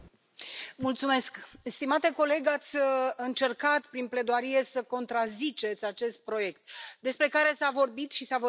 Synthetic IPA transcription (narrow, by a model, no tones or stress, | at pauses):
mult̪sume̞skst̪imat̪e̞ko̞le̞ɡat̪sʲɨnt͡ʃe̞rkat̪pɾinple̞d̪oaɾije̞səko̞nt̪ɾazit͡ʃe̞t̪sʲat͡ʃe̞st̪̚pɾo̞je̞kt̪d̪e̞spɾe̞kaɾe̞savo̞rbit̪ʃisavo